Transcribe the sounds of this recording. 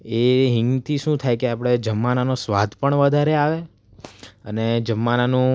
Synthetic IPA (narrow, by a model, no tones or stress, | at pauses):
eɦɪŋɡt̪ʰiʃũt̪ʰajkeapəɽ̃ed͡ʒəmːananosʋad̪ʱpəɳʋəd̪ʱaɾeaʋe | əned͡ʒəmːananũ